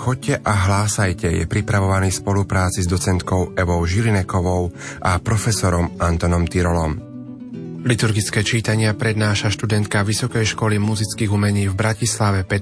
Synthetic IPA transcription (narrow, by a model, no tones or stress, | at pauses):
xɔc̚ːɛʔaɦlaːsajcɛjɛ̰pɾipɾaʋɔʋaniːspɔlupɾaːt͡sizd̪ɔt͡sɛnt̪kɔʊɛʋɔʊʒilinɛkɔʋɔʊʔapɾɔfɛsɔɾɔmant̪ɔnɔmt̪iɾɔlɔm | lit̪uɾɡit͡skɛːt͡ʃiːt̪aɲɪapɾɛd̪naːʃaʃt̪ud̪ɛnt̪̚kaʋisɔkɛjʃkɔlimuzit͡skiːɣumɛɲiːvbɾacislaʋɛpɛ